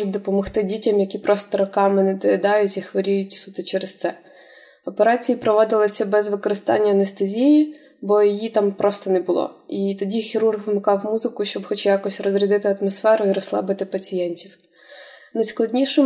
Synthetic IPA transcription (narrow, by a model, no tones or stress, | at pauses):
ʊt̚ʲd̪ɔpɔmɔxt̪ɪdʲitʲɐmjɐkʲipɾɔst̪ɔɾɔkɑmɪnɛd̪ɔjɛd̪ɑjʊtʲixʋɐɾʲijʊtʲsut̪ɪt͡ʃɛɾest̪sɛ | ɔpeɾɑt͡sʲijipɾɔʋɔd̪ɪlˠɔsʲɐbɛzʋɪkɔɾɪst̪ɑ̰nʲːɐːnest̪ɐzʲiji | bɔjijit̪ɑmpɾɔst̪ɔnɛbʊlˠɔ̰it̪ɔdʲixʲiɾurɣʋɪmɪkɑwmuzɪkʊʃt͡ʃɔbxɔt͡ʃjakɔsʲrɔzɾʲid̪ɪt̪ɪɐt̪mɔsfɛɾʊiɾɔslˠɑ̰bɪt̪ɪpɐt͡sʲijɛnʲtʲiw | nɐjsklˠɐdʲnʲiʃɪm